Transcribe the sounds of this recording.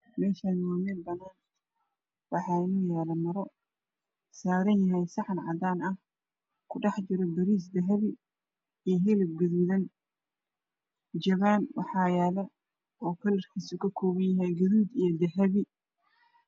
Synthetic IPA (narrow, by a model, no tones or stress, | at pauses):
mɛːʃaːnwamɛːnbɐnaːn | wɑħɑːɪnʊjaːlɐmɐɾɔ | saːɾɐnjɐɦɛjsɑħɑnʕɑ̰d̪aːnɐh | kʰʊɖɑħd͡ʒɪɾɔbɐɾiːs̬d̪ɐɦɐβɪː | jɦɪlɪb̚ɡɐðuːðɐn | d͡ʒɐβaːnwɑħɑːjaːlɐ | ɔːkʰɐlɪrkʰisʊkʰɐkʰɔːβɐnjɐɦɛjɡɐðuːd̪ijɔd̪ɐɦɐβɪ